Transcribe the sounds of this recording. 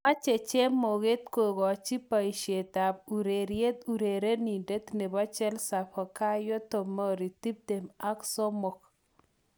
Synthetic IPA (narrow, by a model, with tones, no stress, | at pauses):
a˦t͡ʃe˨t͡ʃe˦mːo˨ɣe˦t̪̚ko˨ɡɔ˨t͡ʃi˦pa˨i˨ʃe˨ta˨b̚u˨ɾe˨ɾje˦t̪u˨ɾe˨ɾe˦ni˨de˦t̪ne˨bɔ˦t͡ʃɛ˦lsa˨pʰɔ˨ka˦jo˦to˨mɔ˦ɾi˨ti˦p̚d̪e˨ma˦kso˦mo˨k̚